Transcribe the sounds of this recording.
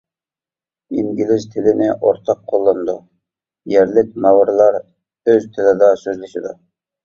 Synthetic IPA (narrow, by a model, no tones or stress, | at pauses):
iŋɡʲɪlɪzt̪ʰɪlɪnɪʔoɾt̪ʰɑqʰːolˠːɑnd̪u | jæɾlɪk̚ʲmɑwɾlˠɑɾ | øzt̪ʰɪlɪd̪ɑsøzlɪʃɪd̪ɑ